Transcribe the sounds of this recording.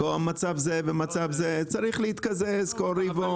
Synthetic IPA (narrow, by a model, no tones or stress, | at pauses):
koamat͡savzevemat͡savzet͡saɾiχlehit̪kazeskoɾivo